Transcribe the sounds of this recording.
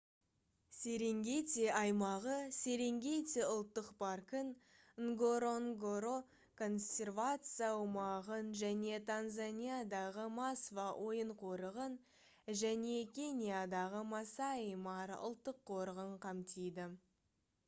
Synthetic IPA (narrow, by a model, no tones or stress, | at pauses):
se̞ɾe̞ŋɡʲet̪t̪ʲeɑjmɑʁəse̞ɾe̞ŋɡʲe̞jt̪eʊlˠt̪ːəqpɑrkən | ŋɡoɾoŋɡoɾo | kʰo̞nsʲe̞rvat̪sɨjawəmɑʁənʒæne̞t̪ʰanzanʲijad̪ɑʁəmɑsvɑwʔo̞jəɴqʰo̞ɾəʁən | ʒæne̞kʲʰe̞nʲijad̪ɑʁəmɑsɑijmɑɾʊ̰lˠt̪ːəqʰːo̞ɾəʁəɴqʰɑmt̪ijd̪ɪ